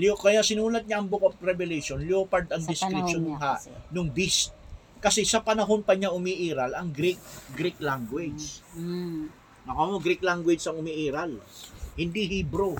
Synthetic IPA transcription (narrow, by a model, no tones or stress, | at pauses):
lokɐjasɪnuːlɐt̪̚ɲaʔɐŋbokop̚ɾɛbɛlɛjʃonljoːpɐɾd̪ɐŋd̪ɪskɾɪt̪t͡ʃonʊŋɦaʔnʊŋbist̪̚ | kɐsɛsɐpɐnɐɦo̞npɐɲaʔʊmiːʔiːɾɐlɐŋɡɾik̚ɡɾiklaŋɡwɛd͡ʒ | nɐkomoɡɾiklaŋɡwɛd͡ʒsɐŋʊmiʔiːɾɐlhɪnd̪ihibɾo